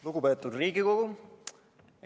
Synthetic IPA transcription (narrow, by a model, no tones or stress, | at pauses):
luɡupet̪ːˑud̪riːɡikoɡu